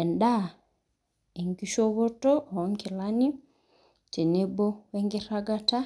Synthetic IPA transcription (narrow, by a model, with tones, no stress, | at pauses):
ɛ˨nda˦ | e˨ŋɡi˦ʃo˦βo˦tɔ˦˨˦ŋki˨lani˦ | t͡ʃe˨ne˦bo˦weŋɡi˦ɾaɡata˦